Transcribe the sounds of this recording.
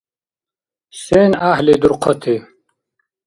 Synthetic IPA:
seːnaɦlid̪uɾqʰot̪ʰi

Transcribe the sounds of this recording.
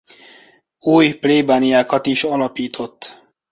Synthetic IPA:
uːjpleːbaːnijaːkɒt̪iʃɒlɒpiːt̪ʰo̞t̪ː

